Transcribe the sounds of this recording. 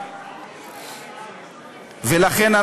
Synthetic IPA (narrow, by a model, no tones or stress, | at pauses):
velaχɛna